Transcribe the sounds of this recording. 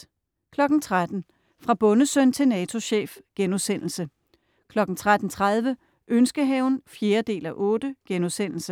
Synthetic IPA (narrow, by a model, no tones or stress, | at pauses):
kʰlɒ̽ɡ̥n̩t͡sʰʁad̥n̩ | fʁɑ̈b̥ɔ̽nəsœn̰t͡sʰe̝nɛːt͡sʰo̝ɕḛːfɡ̥enuðˠsen̰l̩sə | kʰlɒ̽ɡ̥n̩t͡sʰʁad̥n̩t͡sʰʁað̞ˠʋə | ʔønsɡ̥əɦɛʊn̩fje̝ːɐd̥e̝̰ːlæʔɔ̽ːd̥əɡ̥enuðˠsen̰l̩sə